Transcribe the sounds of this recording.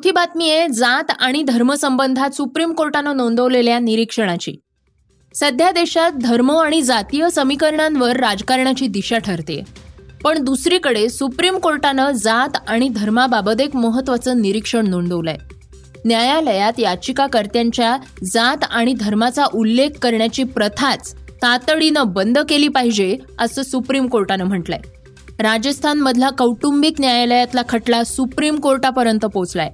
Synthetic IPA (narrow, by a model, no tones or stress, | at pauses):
ut̪ʰiːbat̪mijed͡zat̪aɽ̃id̪ʱəɾməsəmbənd̪ʱat̪supɾimkoɾʈanənoɳd̪əʋleljaniɾikʂəɽ̃at͡ɕḭː | səd̪ʱjad̪eɕat̪̚d̪ʱəɾməaɽ̃id͡zat̪ijəsəmikəɾɳãnʋəɾːad͡zkaɾɳat͡ɕiːd̪iɕaʈʰəɾt̪ḛpəɳd̪usɾiːkəɽesupɾimkoɾʈanəd͡zat̪aɽ̃id̪ʱəɾmababəd̪ekməɦət̪ːʋat͡səːniɾikʂəɳnoɳɖ̪əʋla̰j | njajaləjat̪jat͡ɕikakəɾt̪jaɲt͡ɕjad͡zat̪aɽ̃id̪ʱəɾmat͡saʔulːekʰːəɾɳjat͡ɕiːpɾət̪ʰat͡st̪at̪əɭinəbənd̪əkeliːpaɦid͡ʑeəsəsupɾimkoɾʈanəm̤əʈla̰j | ɾad͡ʑəst̪ʰanməd̪ʱlakəwʈumbiknjajaləjat̪lakʰəʈlasupɾimkoɾʈapəɾjənt̪əpot͡sla̰j